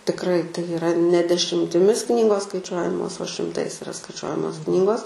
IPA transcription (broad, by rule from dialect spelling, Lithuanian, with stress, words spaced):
tʲɪkˈrɐɪ tɐɪ ɪˈrɐ nʲɛ dʲɛʃʲɪmʲtʲɪˈmʲɪs ˈknʲiːɡoːs skɐɪˈt͡ʃʲuɔjɛmoːs oː ʃʲɪmˈtɐɪs ɪˈrɐ skɐɪˈt͡ʃʲuɔjɛmoːs ˈknʲiːɡoːs